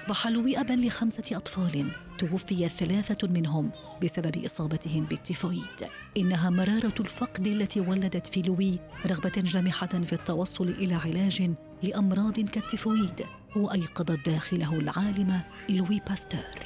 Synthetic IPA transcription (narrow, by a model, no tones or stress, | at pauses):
ʔɑsˤbɑħalʊwiːʔabanlɪxamsaʔɑt̪ˤfɑːlɪnt̪ʊwafːɪjaθalaːθamɪnɦʊm | bɪsababɪ̰ʔɨsˤɑːbɑt̪ɪhɪmbɪt̪ːɪfoːiːd̪̥ | ʔɪnːaɦaːmɑɾˤɑːɾˤɑlfɑqd̪ʔalːat̪iːwalːad̪at̪fiːlʊwiːɾˤɑɣbad͡ʒaːmɪħafit̪ːɑwɑsˤːʊlɪʔɪlaːʕɪlaːd͡ʒɪ | lɪʔɑmɾˤɑːd̪ˤɨnkat̪ːɪfoiːd̪ | waʔɑjqɑd̪ˤɑt̪̚d̪aːxɪlaɦlʕaːlɪma | lʊwiːpast̪a̰ːɾ